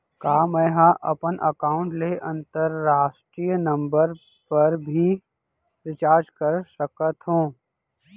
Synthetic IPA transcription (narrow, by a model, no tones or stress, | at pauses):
kaːmɛ̃ːɦaʔɐ̰pənʔəkaːʊ̃ɳʈleʔɐ̃nt̪əɾːaːʃʈɾiːjnɐ̃mbəɾ | pɐɾbʱi | ɾɪt͡ʃaːɾd͡ʒkəɾsəkət̪ɦũː